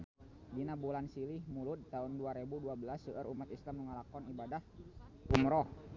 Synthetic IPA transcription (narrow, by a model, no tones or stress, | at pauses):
dinabulansilɪhmulʊt̪t̪aʊnduaɾebuduabəlasəʔəɾʔumat̪islamːəŋalakɔnibadahumɾɔh